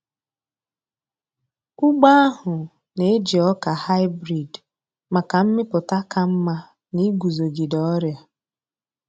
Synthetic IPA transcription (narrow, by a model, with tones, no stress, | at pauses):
ʊ˦ɡ͡ba˦a˦ɦʊ˨ | ne˨e˦d͡ʒi˨ɔ˦ka˨ha˦ɪ˦bɾi˨d | ma˨ka˨m̩˦mɪ˦pʊ˨ta˦ka˦m̩˦ma˦ | ni˦ɡu˨zo˨ɡi˨dɔ˦ɾja˦